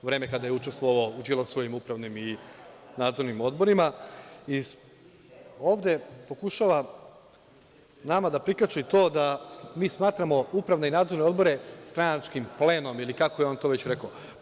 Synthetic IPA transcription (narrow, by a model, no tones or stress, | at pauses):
ʋɾe̞ːmekad̪ajeut͡ʃe̞st̪ʋoaud͡ʒilˠosʋo̞jimupɾaʋnimi | naːd̪zo̞ɾnimo̞d̪bo̞ɾimai | oːʋd̪e̞po̞kuʃaʋa | namad̪apɾikat͡ʃit̪o̞ːd̪amiːsmaːt̪ɾamo̞upɾaʋneinaːd̪zo̞ɾneo̞d̪bo̞ɾe̞st̪ɾanat͡ʃkimple̞ːno̞milikakojeo̞nt̪o̞ːʋe̞t͡ɕɾe̞ko